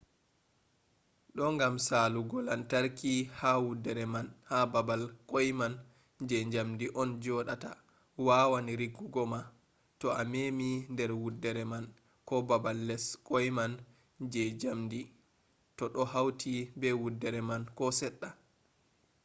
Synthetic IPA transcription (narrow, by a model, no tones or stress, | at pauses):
ɗɔŋɡamsaluɡɔlantaɾkihawudːɛɾɛmanhababalkɔjman | d͡ʒɛɲd͡ʒamdiʔɔnd͡ʒɔɗata̰ | wawaniɾiɡːuɡɔma | tɔamemindɛɾwudːɛɾɛman | kɔbabalːɛskʼɔjman | d͡ʒɛd͡ʒamdi | tɔɗɔɦawtʰibɛwudːɛɾɛmankɔsɛɗːa